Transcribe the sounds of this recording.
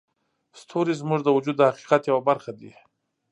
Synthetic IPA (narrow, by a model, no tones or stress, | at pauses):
st̪ʰoɾizmuʐd̪əwʊd͡ʒud̪ːəhaqi̥qat̪jawabaɾxad̪ḭ